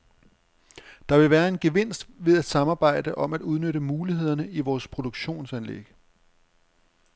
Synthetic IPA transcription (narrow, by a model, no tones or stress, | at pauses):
d̥ɑ̈ʋe̝ʋæːɐe̝nɡ̥e̝ʋe̝n̰sd̥ʋe̝ðˠæd̥sɑ̈mɑ̈ːb̥ɑ̈ɪ̰d̥əʔɒ̽mæd̥uð̞ˠnøɾəmuːliɦe̝ð̰ˠɐnəʔiʋɒːspʰʁo̝d̥oɡ̥ɕo̝̰ːnsænlḛɡ̥